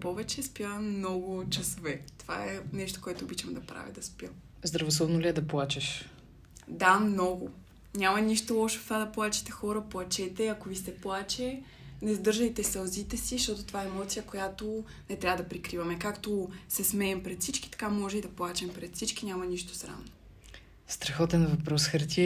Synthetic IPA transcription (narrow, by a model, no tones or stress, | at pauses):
pɔvɛt͡ʃɛspjamnɔɡʊt͡ʃɐsovɛt̪ova̰ɛnɛʃt̪o̥koɛt̪oːbit͡ʃɐmd̪ɐpɾa̰vʲḭd̪ɐspjə | zd̪ɾɐvosˠɔbnoliɛd̪ɐplˠat͡ʃɛʃ | d̪amnɔɡʊ | ɲʲamɐniʃt̪olˠɔʃɛ̥ft̪ad̪ɐplˠat͡ʃɛ̥t̪ɛxɔɾəplˠɐt͡ʃɛt̪ɛɐkovisɛplˠat͡ʃɛ | nɛzd̪ɤɾʒəjt̪ɛsɐlˠzit̪ɛsiʃt̪ɔt̪ot̪ovaɛːmɔt̪sijəkojat̪o | nɛt̪ɾʲavəd̪ɐpɾikɾivɐmɛkakt̪osɛsmɛːmpɾɛt̪fsit͡ʃkʲi̥t̪ɐ̥kamɔʒɛid̪ɐplˠat͡ʃɛmpɾɛt̪fsit͡ʃk̟inʲamɐniʃt̪o̥sɾa̰mno | st̪ɾɐxɔt̪ɛnvɐpɾɔsxɐɾt̪ʲi